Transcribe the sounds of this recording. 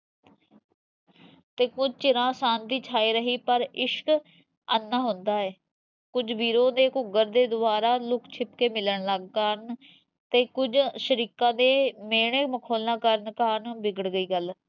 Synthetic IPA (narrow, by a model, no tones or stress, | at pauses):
t̪eːkʊd͡ʒt͡ʃɪɾãːsaːnd̪iːt͡ʃʰaːiːɾəɦiːpəɾɪʃk | ənːãːɦʊnd̪aːɛː | kʊd͡ʒʋiːɾõːd̪eːkʊɡəɾd̪eːd̪ʊbaːɾaːlʊkʰt͡ʃʰɪp̚keːmɪləɳləɡkaɾn | t̪eːkʊd͡ʒʃəɾiːkãːd̪eːmeːɽeːməkʰoːlnãːkəɾənkaːɾnbɪɡəɽɡəiːɡəl